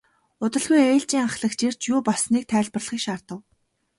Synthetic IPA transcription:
ʊt̪ə̆ɮɣujeːɬt͡ɕiːŋaɴχɮə̆kt͡ɕer̥t͡ɕjʊːpɔsniːk̚t̪ʰæːɮpə̆rɮə̆χiːkʃaːrt̪ə̆w

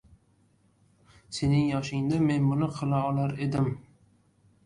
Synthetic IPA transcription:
se̞nɪŋjɒʃɪŋd̪ame̞nmʊnɪqʰɨlˠaɒlaɾe̞d̪ɪm

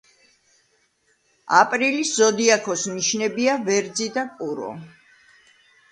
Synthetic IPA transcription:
apʼɾiliszɔd̪iakʰɔsniʃnɛbiavɛɾd̪zid̪apʼuɾɔ̰

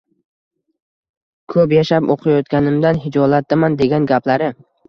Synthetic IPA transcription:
kʰɵpjaʃapo̰qʰɨjɒt̪̚kʲanɪmd̪anɦɪd͡ʒɒlat̪̚d̪ɪmand̪e̞ɡʲanɡʲapʰlaɾɪ

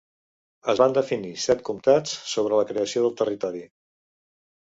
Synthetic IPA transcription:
əzβand̪əfinisɛt̪̚kumt̪at͡ssoβɾələkɾeəsioðəlˠt̪ərit̪ɔɾi

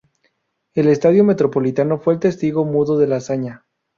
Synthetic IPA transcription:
e̞le̞st̪aðjome̞t̪ɾopo̞lit̪ano̞fwe̞ːlt̪e̞st̪iɣo̞muðo̞ðe̞lasaɲa

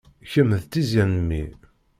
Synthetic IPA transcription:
çəmːəðt̪ːizjænəmːḭ

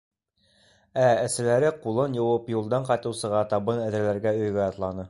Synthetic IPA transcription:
ææ̆sɘ̆læɾɘqulˠɤnjɤ̆wɤpjulˠd̪ɑɴqɑjt̪ɤ̆wsɤ̆ʁɑt̪ɑβɤnæðɘ̆ɾlæɾɡæɵ̆jɡæɑt̪lˠɑnɤ

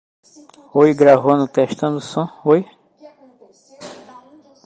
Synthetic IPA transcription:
ojɡɾavõnʊt̪ɛʃt̪ɐ̃d̪ʊsõoj

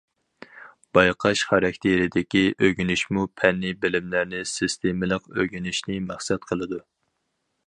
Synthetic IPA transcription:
b̥ɑjqʰɑʃχɑɾɑkʲt̪ʰeɾɪd̪ɪkʲiʔøɡʲynɪʃmupʰɛnːɪbɪlɪmlæɾnɪsɪst̪ʰemɪlˠəqøɡʲynɪʃnɪmæχsɛt̪̚qʰəlˠɨd̪u

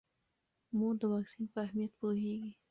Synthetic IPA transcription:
mud̪əwaksinpəahmijət̪̚puɦeɡi

